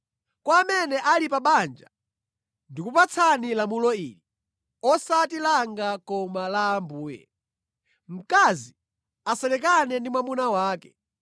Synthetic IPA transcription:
kwaːmɛnɛʔalipaɓand͡ʒa | ndikupat͡sʰanilamulɔḭːli | ɔsatilaŋɡakɔmalaːmbuːjɛ̰ | m̩kazi | asɛlɛk̬anɛndimwamunawaːkɛ

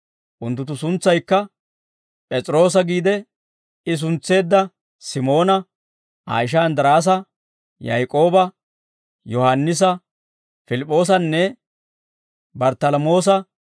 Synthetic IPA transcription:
ʔʊnt̪ːʊt̪ːʊs̬ʊnt͡sːɐjkːɐ | pʼɛt͡sʼɾo̞ːs̬ɐɡiːd̪ɛ | ɪs̬ʊnt͡sːe̞ːd̪ːɐ | sɪmo̞ːnɐ | a̰ːjɪʃ̬ɐɐnd̪ɪɾaːs̬ɐ | jɐjkʼo̞ːbɐ | jɔhɐnːɪs̬ɐ | fɪlɪpʼːo̞ːs̬ɐnːɛ | bɐɾt̪ɐlɐmo̞ːs̬ɐ

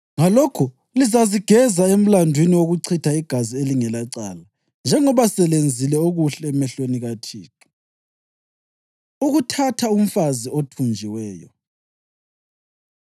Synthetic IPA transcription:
ŋalɔkʰu | lizaziɡ̥ʱɛzaem̩landʱwiniwoɣuǀʰitʰaiɡ̥ʱazieliŋɛlaǀa̰ːla | nd͡ʒʱɛŋɔβasɛlend͡zʱilɛoɣuɬɛːmɛɬweniɣatʰḭːtʰu̥ | uɣutʰatʰaum̩faziotʰund͡ʒʱiwɛːjɔ

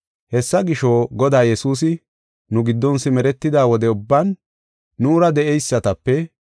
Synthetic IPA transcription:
hɛsːɐɡɪʃoːɡɔd̪aːjɛsuːs̬ɪ | nʊɡɪd̪ːɔnsɪmɛɾɛt̪ːɪd̪aːwɔd̪ɛʊbːɐnː | uːɾɐd̪ɛʔɛjsːɐt̪ɐpːɛ

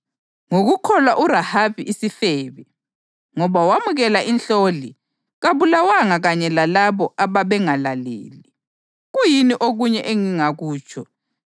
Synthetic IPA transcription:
ŋoɣukʰɔlwaʔuɾahaβiʔːsifɛːβɛ | ŋɔβawamuɣɛlaʔinɬoli | ɣaβulawaŋaɣaɲɛlalaβɔʔaβaβɛŋalalḛːli | ɣujiniʔoɣuɲɛʔeŋiŋaɣuːt͡ʃʰʼɔ

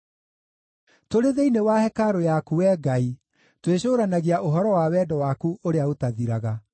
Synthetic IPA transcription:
toɾeðeinewahɛkaɾojakuwɛːɡai | tweɕoːɾanaɣeaʔoɦɔɾɔwawɛːdɔwakuʔoɾeaotaðiɾaɣa

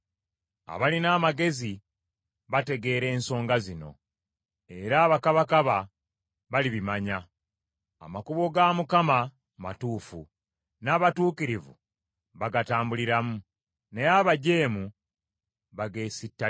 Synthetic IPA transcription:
a̰βalinaːmaɡe̞zi | βate̞ɡe̞ːɾe̞ːnso̞ːŋɡazino̞̰ | e̞ɾaːβakaβakaβa | βaliβimaɲa | a̰makuβoɡamukama | ma̰tuːfṵ | naːβatuːkiɾivṵ | βaɡataːmbuliɾamu | ne̞jaβaɟe̞ːmu | βaɡe̞ːsitːa

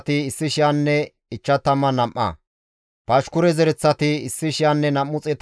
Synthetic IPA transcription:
t̪ɪɪsːɪʃɪjanːɛ | ɪt͡ʃːɐt̪ɐmːɐnɐmʔːɐ̰ | pɐʃkʊɾɛzɛɾɛt͡sːɐt̪ɪɪsːɪʃɪjanːɛnɐmːʊt͡sʼɛt̪

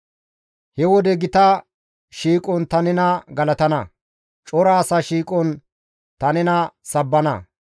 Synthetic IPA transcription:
hɛwɔd̪ɛɡɪt̪ɐ | ʃiːkʼɔnt̪ɐnɛnɐɡɐlɐt̪ɐnɐ̰ | t͡ʃʼɔɾaːsɐːʃiːkʼɔn | t̪ɐnɛnɐsɐbːɐnɐ̰

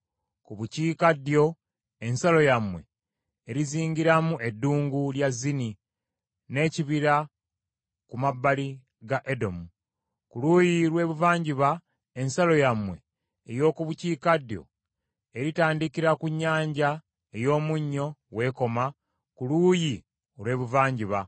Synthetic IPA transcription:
kuβuciːkadjo̞ | e̞nsalo̞jamwe̞ | eɾiziːŋɡiɾamuedːuːŋɡuljazːini | ne̞ːciβiɾa | kumabːali | ɡaʔe̞do̞mu | kuluːjilwe̞ːβuvaːɲɟiβa | e̞nsalo̞jamwe̞̰ː | jo̞ːkuβuciːkadjo̞̰ | eɾitaːndikiɾakuɲːaːɲɟa | ejo̞ːmuɲːo̞we̞ːko̞ma | kuluːji | olwe̞ːβuvaːɲɟiβa

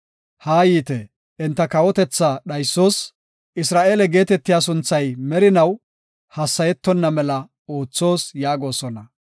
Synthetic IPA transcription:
haːjiːt̪ɛ | ʔɪnt̪ːɐkɐwɔt̪ɛt͡sːaɗɐjsːo̞ːs | ʔɪsɾaːʔeːlɛɡe̞ːt̪ɛt̪ːɪjaːs̬ʊnt͡sːɐjmɛɾɪnɐw | hɐsːɐjɛt̪ːɔnːɐmɛlɐ | o̞ːt͡sːo̞ːsjaːɡo̞ːsɔnɐ

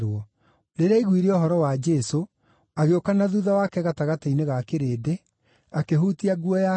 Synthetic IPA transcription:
ɾwɔ | ɾeɾeaiɣwiɾeɔɦɔɾɔwad͡ʒɛso | aɣeokanaðuðawakɛɣataɣataineɣakeɾede | akeɦutiaɡuɔja

